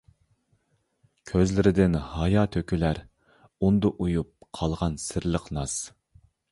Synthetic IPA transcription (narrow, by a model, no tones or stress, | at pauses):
kʲʰøzlɪɾɪd̪ɪnhɑjɑt̪ʰøkʲylæɾ | und̪ʊʔujup̚qʰɑlˠʁɑnsɪɾlˠəqnɑs